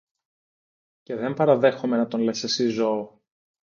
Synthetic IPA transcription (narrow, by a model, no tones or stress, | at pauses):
ce̞ðe̞mpɐɾɐðe̞xome̞nɐt̪o̞nlesesizoo